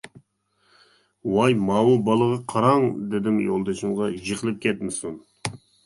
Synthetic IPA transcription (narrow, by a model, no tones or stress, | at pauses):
wɑjmɑːwubɑlˠəʁɑqʰɑɾɑŋd̪ɪd̪ɪmjolˠd̪ɑʃɪmʁɑʒeqəlˠɨp̚kʲʰɛt̪̚mɪsun